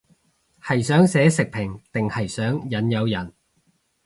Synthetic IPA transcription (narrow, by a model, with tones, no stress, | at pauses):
hɐ˨˩jsœː˨˥ŋsɛː˨˧˥sɪ˨k̚pʰɪ˨˩ŋt̪ɪ˨ŋhɐ˨jsœː˨˥ŋjɐ˨˥njɐ˨˧wjɐ˨˩n